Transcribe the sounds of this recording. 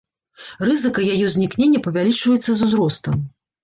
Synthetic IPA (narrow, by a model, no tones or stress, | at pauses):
rɨzɨkɐjajɛwzʲnʲiknʲenʲːɐpɐvʲalʲit͡ʂvɐjɛt̪sːɐzuzɾɔst̪ɐm